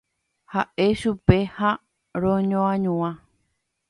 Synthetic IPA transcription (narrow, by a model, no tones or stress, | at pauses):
haʔe̞ʃupe̞ha | ɾõɲõãɲũã